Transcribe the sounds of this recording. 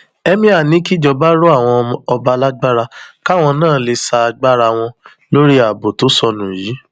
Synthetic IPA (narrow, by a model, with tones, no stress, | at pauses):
ɛ˧mĩ˧a˨nĩ˨˦ki˦d͡ʒɔ˨˧ba˦ɾo˦a˦˨w̃ɔ̃˧ɔ˧ba˧la˦ɡ͡ba˦ɾa˧ka˦˨w̃ɔ̃˧nãː˦˨˦le˧sa˧a˧ɡ͡ba˦ɾa˧w̃ɔ̃˧ | lo˦ɾi˦a˨bo˨to˨˦sɔ˧nũ˨ji˨˦